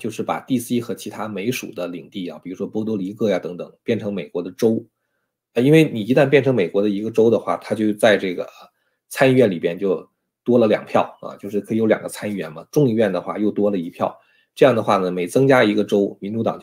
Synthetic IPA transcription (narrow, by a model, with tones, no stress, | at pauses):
t͡ɕjo˥˧ʊʂɻ̩˥˩pa̰˨˩t̪i˥˩si˥xɤ˧˥t͡ɕʰi˧˥t̪ʰa˥me˧˥ɪʂṵ˨˩d̪ə˦li˨˩ŋt̪i˥˩a̰˩pi˨˩ɻu˧˥ʂwɔ˥pɔ˥t̪̬o˥li˧˥kɤ˥˩ja˨˩t̪ɤ˧˥ŋt̪ɤ̰˨˩˦ŋpjɛ˥˩nʈ͡ʂʰɤ˧˥ŋme˨˩ɪkwɔ˧˥d̪ə˧ʈ͡ʂo˥ʊ | ə˧i˥nwe˥˩ɪni˨˩i˧˥t̪a˥˧npjɛ˥˩nʈ͡ʂʰɤ˧˥ŋme˨˩ɪkwɔ˧˥d̪ə˧i˧˥ɡə˧ʈ͡ʂo˥ʊd̪ə˨xwa̰˥˩t̪ʰa˥t͡ɕjo˥˧ʊt͡sa˥˧ɪʈ͡ʂɤ˥˩ɡə̰˩ | t͡sʰa˥ni˥˧ɥɛ˥˩nli˨˩mjɛ˥nt͡ɕjo˥˧ʊ | t̪wɔ˥lə˨ljɑ̰˨˩ŋpʰjɑ˥˩ʊɐ̰˧t͡ɕjo˥˧ʊʂɻ̩˥˩kʰɤ˧˥i˥˩jljɑ̰˨˩ŋɡə˦t͡sʰa˥ni˥˩ɥɛ̰˧˥nmɐ˨ʈ͡ʂʊ˥˧ŋi˥˧ɥɛ˥˩nd̪ə˩xwa̰˥˩jo˥˩ʊt̪wɔ˥lə˨i˧˥pʰjɑ˥˩ʊ | ʈ͡ʂɤ˥˧jɑ˥˩ŋd̪ə˩xwa˥˩nə˩me˧˥ɪt͡sɤ˥ŋt͡ɕja˥i˧˥ɡə˧ʈ͡ʂo˥ʊmi˧˥nʈ͡ʂu˧˥t̪ɑ̰˨˩ŋ